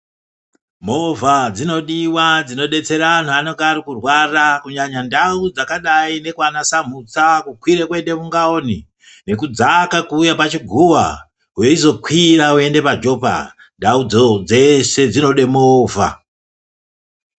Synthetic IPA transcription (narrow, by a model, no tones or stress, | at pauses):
mo̞vad͡zino̞ɗiwad͡zino̞ɗe̞t͡se̞ɾaan̤uano̞ŋɡaɾikurwarakuɲaɲandaud͡zakaɗaine̞kwanasam̤ut͡sakukwiɾekwende̞muŋɡao̞ni | ne̞kud͡zakakuːjapat͡ʃiɡʱuwa | ɦweizo̞kwiraue̞nde̞pad͡ʒo̞pa̰ | ndaud͡zod͡ze̞se̞d͡zino̞ɗe̞moːva̰